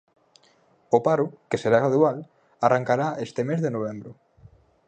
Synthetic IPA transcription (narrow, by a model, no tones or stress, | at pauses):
opaɾʊkeseɾaɣɾaðual | arʔaŋkaɾaest̪emezðenoβ̞ɛmbɾʊ